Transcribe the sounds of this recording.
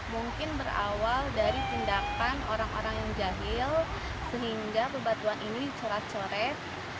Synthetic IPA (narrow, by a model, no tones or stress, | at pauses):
muŋkɪnbəɾa̰waldaɾit̪indakanoɾaŋoɾaŋjaŋd͡ʒaɦɪl | səɦiŋɡabəbat̪uaninit͡ʃoɾat͡ʃoɾɛt̪̚